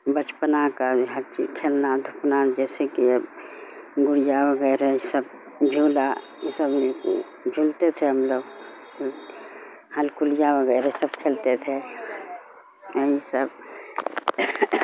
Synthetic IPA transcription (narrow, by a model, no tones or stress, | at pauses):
bət͡ʃpənakaɦəɾt͡ʃid͡ʒkʰeːlnad̪ʱupnad͡ʒɛːsekiəb | ɡʊɾjabəɡɛɪɾeisəb | d͡ʒʱula | jesəbk | d͡ʒʱult̪et̪ʰeɦəmloːɡ | həlkuld͡ʒabəɡɛɪɾesəbkʰelt̪et̪ʰe | iisəb